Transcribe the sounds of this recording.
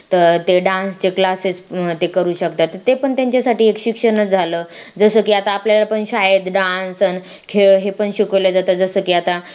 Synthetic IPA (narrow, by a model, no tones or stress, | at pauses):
t̪əɾt̪eɖãnst͡ɕeklasest̪ekəɾuːɕəkt̪at̪ːət̪epəɳt̪jaɲt͡ɕasaʈiːekɕikʂənəd͡zʱaləː | d͡zəsəkiat̪aːpljalapəɳɕajəd̪ɖãnsən | kʰeɭɦepəɳɕikʋlad͡zat̪əd͡zəsəkiːat̪a